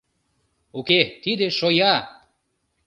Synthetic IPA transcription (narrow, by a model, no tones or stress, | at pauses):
oket̪id̪eʃojɑ